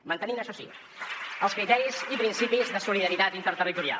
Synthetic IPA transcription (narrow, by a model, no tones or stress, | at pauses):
mənt̪əninəʃɔsḭ | əlˠskɾit̪ɛɾizipɾinsipizðəsuliðəɾit̪at̪int̪əɾt̪ərit̪uɾia̰l